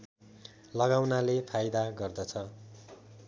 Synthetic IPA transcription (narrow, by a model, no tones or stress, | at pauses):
lʌɡawnalepʰajd̪aɡʌrd̪ʌt͡sʰʌ